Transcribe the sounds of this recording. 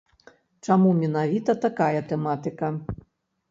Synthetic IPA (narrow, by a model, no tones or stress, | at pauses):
t͡ʂamumʲɛnavʲit̪ɐt̪akajɐt̪ɛmat̪ɨkɐ